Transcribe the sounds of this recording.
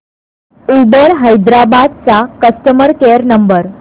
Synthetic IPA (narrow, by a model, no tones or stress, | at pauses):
ubəɾɦəjd̪ɾabad̪̚t͡sakəsʈəməɾkeɾnəmbəɾ